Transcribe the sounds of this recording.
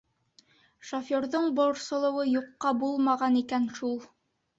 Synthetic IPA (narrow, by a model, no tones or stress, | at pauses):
ʃofjoɾðoɴbŏɾsɤ̆lˠɤ̆wɤjuqːɑbulˠmɑʁɑnikænʃulˠ